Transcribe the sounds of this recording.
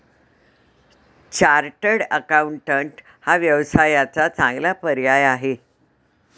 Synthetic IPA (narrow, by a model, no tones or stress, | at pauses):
t͡ɕaɾʈəɽəkauɳʈəɳʈ | haʋjəʋsajat͡sat͡sãŋɡlapəɾjajaɦe